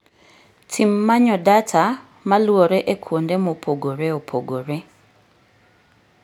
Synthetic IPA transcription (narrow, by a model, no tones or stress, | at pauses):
tʰimːaɲɔdatʰa | malwoɾeʔekʰwondemopʰoɡoɾeopʰoɡoɾe